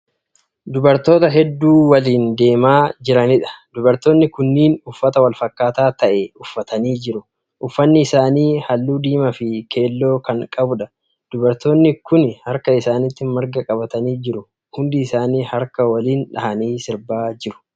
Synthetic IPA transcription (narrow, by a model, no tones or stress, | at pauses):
d̪ʊbɐɾt̪o̞ːt̪ɐɦɛd̪ːuːwɐliːnd̪e̞ːmaːd͡ʒɪɾɐnɪᶑɐ̥d̪ʊbɐɾt̪o̞ːnːɪkʊnːiːnʊfːɐt̪ɐwɐlfɐkːaːt̪aːt̪ɐʔɛʊfːɐt̪ɐniːd͡ʒɪɾʊ | ʔʊfːɐnːɪːsaːniːhɐlːuːd̪iːmɐfɪkʰe̞ːlːo̞ːkɐŋkʼɐbʊᶑɐ | d̪̥ʊbɐɾt̪o̞ːnːɪkʊnhɐɾkɐɪsaːnɪt̪ːɪmɐɾɡɐkʼɐbɐt̪ɐniːd͡ʒɪɾʊ | hʊnd̪ɪːsaːniːhɐɾkɐwɐliːnᶑɐhɐniːsɪɾbaːd͡ʒɪɾʊ̥